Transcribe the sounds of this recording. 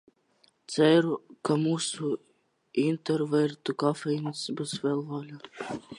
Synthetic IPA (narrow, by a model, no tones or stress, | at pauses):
t̪sɛɾukamuːsu | int̪ɛɾvɛɾt̪ukafɛinsbusvɛlˠvaːlʲa